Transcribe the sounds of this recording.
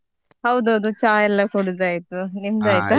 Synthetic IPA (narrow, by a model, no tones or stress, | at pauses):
hɐwd̪uɦɐwd̪ut͡ʃaːjɐlːɐkuɽud̪aːjit̪ːunimd̪aːjt̪u